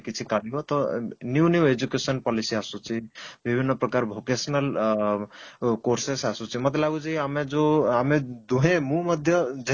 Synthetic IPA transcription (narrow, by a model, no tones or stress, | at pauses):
kit͡ʃʰikalibɔt̪ɔnjunjued͡ʒukesənpɔlisiasũt͡ʃʰibibʱinːɔpɾɔkaɾbʱokesnəl | koɾsesasũt͡ʃʰimɔt̪elaɡud͡ʒiamed͡ʒoamed̪uɦẽmũmʌd̪ʱjʌd͡ʒ